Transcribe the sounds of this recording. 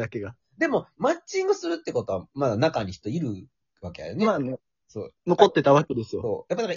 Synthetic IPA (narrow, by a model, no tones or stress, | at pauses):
d̪ake̞ɡa | d̪e̞mo̞mat͡ɕːĩŋɡɯsɨɾɯ̟t̪ːeko̞t̪o̞βamad̪anakaɲ̟içi̥t̪ːo̞iɾɯ̟ | βake̞ja̰jonea | so̰ːnoko̞t̪ːe̞t̪aβaked̪esɨjoso̞̰ːjapːanaka